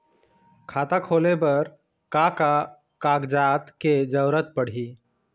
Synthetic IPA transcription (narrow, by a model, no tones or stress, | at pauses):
kʰaːt̪akʰolebəɾ | kaka | kaɡd͡ʒat̪ked͡ʒəɾət̪̚pəɽ̤i